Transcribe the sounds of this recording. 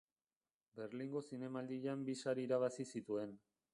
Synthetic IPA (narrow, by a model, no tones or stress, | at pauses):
be̞ɾliŋɡo̞sine̞mald̪iʎambisaɾiːɾaβasisit̪ue̞n